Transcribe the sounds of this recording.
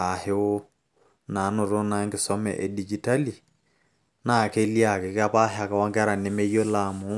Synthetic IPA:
a˨he˨o˦ | na˨˦nʊ˨ɾo˦na˨˦ŋɡɪ˨sɔ˦mɛ̰˨ʔe˨di˨d͡ʒi˨ta˦li˨ | na˦˨ke˦lja˨kɛ˨ka˦pa˦ɦɪ˨a˨ka˨wa˦ŋɡɾa˨nɪ˦me˦jo˦la˨mʊ˨˦

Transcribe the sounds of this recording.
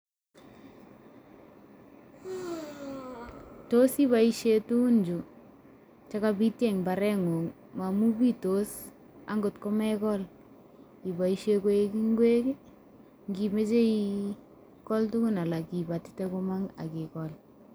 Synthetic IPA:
to˦si˦ba˨i˦ʃe˦tu˦u˦nd͡ʒu˨ | t͡ʃa˦ka˦bi˦tjɛ˨ŋba˨ɾɛ˦ŋo˨ŋ | ma˨mu˦bi˦to˦s | a̰˦ŋɡo˨tko˦mɛ˦kɔ˦l | ki˨ba˨iʃe˦ko˦e˦ki˦ŋɡwe˦k | ŋɡi˨me˦t͡ʃe˦i | kɔ˦ltu˦kʊ˦na˨la˨ki˨ba˨ttɛ˦ko˦ma˦ŋa̰˨kɪ˨kɔ˨l

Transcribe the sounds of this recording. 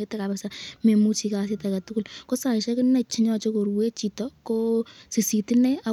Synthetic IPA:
etːɛ˦ka˨pɛsame˨mu˦t͡ʃi˧kas̬itakɐ˨tuku˦lko˦sa˨ʃɛ˦kɪ˦nɛ˨t͡ʃɪ˦ɲɔt͡ʃo˦ko˨ɾuwe˦t͡ʃi˨tɔko˦si˨si˨ti˦nɛ˦a˨

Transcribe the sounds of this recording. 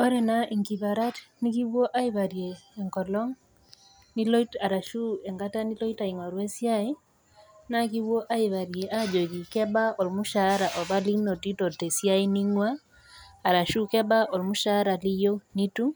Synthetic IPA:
ɔ˦ɾɛ˨na˦ʔi˨ŋki˨βa˨ɾa˦tni˦ki˦wwɔ˦ʔa˦i˨βa˨ɾjeː˨ŋkɔ˨lɔ˦ŋ | ni˦lɔ˦ita˨ɾa˨ʃu˦ɛ˨ŋɡa˦ta˦ni˦lɔ˦i˦ta˨i˨ŋwa˨ɾwɛ˦sja˦ɪ˦ | na˦ki˦wo˦ʔa˦i˨βa˨ɾje˨ʔa˦d͡ʒo˨ki˨kɛ˦ba˦ɔ˨lmu˦ʃa˨˦ɾa˨ʔɔ˨βa˦li˦ŋno˨ti˦tɔ˨tɛ˨sja˦i˦ni˦ŋwaː˦˨ | ɾa˨ʃu˦kɛ˦ba˦ʔɔ˨lmu˦ʃa˦ɾa˨li˦jo˦ni˦tu˦

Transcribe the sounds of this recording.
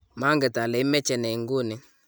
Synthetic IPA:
ma˦ŋɡɛ˨ta˨lɛ˨i˦mɛ˦t͡ʃɛ˨nɛ˨i˨ŋɡu˦ni˨

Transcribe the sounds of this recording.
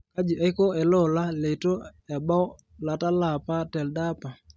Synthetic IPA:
ka˦d͡ʒi˨ʔɛ˦ko˦ɛ˨lɔ˦˨la˦le˨to˦ɛ˨ba˦ | la˨ta˦la˨pa˦tɛ˨lda˦pa˨

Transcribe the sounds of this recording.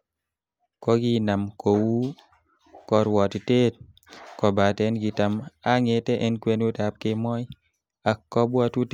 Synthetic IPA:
kɔ˦ɡɪ˦na˨mko˨wu˦ | kɔ˦ɾwɔ˨ti˨te˦t̚ | kɔ˨ba˨tɛ˦nɡi˨ta˨ma˦ŋe˨tɛ˦ʔɛ˦nkwe˦n˦u˦ta˨p̚kɪ˦mɔ˦j | a˨kːɔ˦bwɔ˧tu˦t

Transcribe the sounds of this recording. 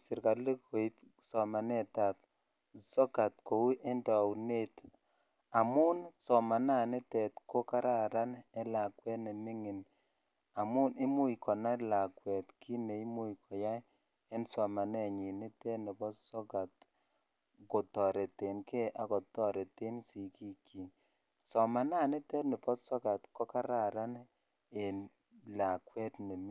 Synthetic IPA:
sɪ˨ɾka˨le˦ko˨i˦p | sɔ˨ma˨nɛ˦ta˨p | sɔ˦ɡa˨tko˨wu˦ʔe˦nda˨u˨ne˦t | a˨mu˦nsɔ˨ma˨na˦˨ne˦tɛ˨tkʰo˦ka˦ɾa˦˨ɾa˦nɛ˦la˨kwɛ˦ne˨mi˦ŋi˨n | a˨mu˦ni˦mu˦ikɔ˨na˦la˨kwɛ˨tkʰi˦ne˨i˦mu˦jkʰɔ˨ja˦j | ɛ˦nsɔ˨ma˨nɛ˦˨ɲi˨ne˦tɛ˦ne˨pɔ˦tsɔ˦ɡa˨t | kɔ˨tɔ˨ɾɛ˨te˨nke˦ʔa˨kɔ˨tɔ˦ɾɛ˨te˦nsi˨ki˦kʰi˨ | sɔ˨ma˨na˦˨ne˦tɛ˦tne˨pɔ˦tsɔ˦ɡa˨tkɔ˦ka˦ɾa˨ɾa˦n | e˨n | la˨kwɛ˦tne˨mi˦

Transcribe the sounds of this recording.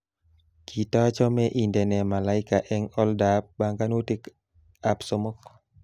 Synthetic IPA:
kʰi˨ta˦t͡ʃɔ˦mɛ˦ʔi˨ndɛ˨nɛ˨ma˨la˦ɪ˦ka˨ʔɛŋɔ˦ldap̚ba˨ŋɡa˦no˦ti˦k | a˨pso˦mo˦k

